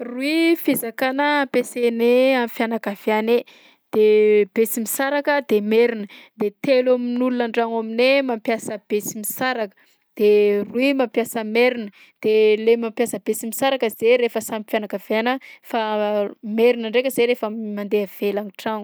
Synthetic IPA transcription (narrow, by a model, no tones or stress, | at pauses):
ruifezakanəːmpeseneamifjanakav̥jane | d̪̥eb̥esimisaɾakəd̪emeɾinəd̪̥et̪elaminulunaɳɖ͡ʐaŋaminemampjasəb̥esimisaɾakə̥ | d̪̥eruimampjasəmeɾinə | d̪̥elemampjasəbesimisaɾakəzeɾefəsamifjanakavanəfameɾinəɳɖ͡ʐekʲəzeɾefəmand̪eav̥elaniʈ͡ʂaŋu